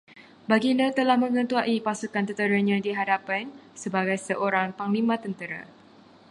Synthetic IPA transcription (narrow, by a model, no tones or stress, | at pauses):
baɡinat̪əlahmə̃ŋə̃nt̪uaʔipasukant̪ət̪əɾaɲãdiɦadapansəbaɡajsəʔoɾaŋpaŋlimãt̪ənt̪əɾa̰